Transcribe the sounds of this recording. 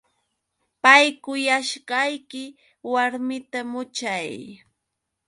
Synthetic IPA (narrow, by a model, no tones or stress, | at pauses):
pajkʊjaʃɢɑjkɪ | waɾmɪt̪amʊt͡ʃaj